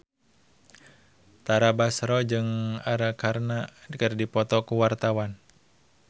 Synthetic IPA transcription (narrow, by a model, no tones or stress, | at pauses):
t̪aɾabasɾɔd͡ʒɨŋaɾakaɾnadkərdipɔt̪ɔkuwart̪awan